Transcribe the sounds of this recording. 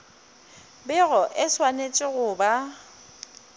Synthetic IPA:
bɪɣɔʔɪswanet͡ʃʼɪɣʊːba

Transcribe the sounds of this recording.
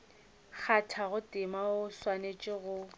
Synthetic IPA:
k͡xʰatʰaɣʊtʼɪmaʊswanet͡ʃʼɪɣʊ

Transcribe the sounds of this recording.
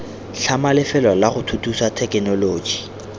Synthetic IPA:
ɬamalɪfɛlwalaχʊtʰutʰusatʰɛkɪnɔloːd͡ʒi

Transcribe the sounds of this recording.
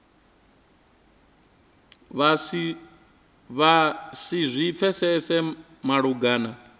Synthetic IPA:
βasizʷip̪fʰɛsɛsɛ | maɺuɡaːna

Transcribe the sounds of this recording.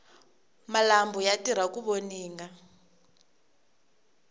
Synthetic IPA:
malambɔjatiɾ̤akuβoniːŋɡa

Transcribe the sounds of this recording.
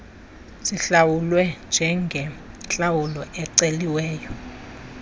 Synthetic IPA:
ziɬawulwɛnd͡ʒʱɛŋɡʱɛɬʼawulɔʔɛǀeliwɛːjɔ

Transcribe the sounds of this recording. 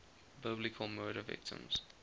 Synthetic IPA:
bɪblikʰəlˠmoːɾəvɪ̰k̚tʰə̰̃mz̥

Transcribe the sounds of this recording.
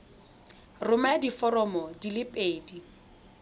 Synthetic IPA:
rʊmadifɔɾɔmɔdilɪpʼeːdi

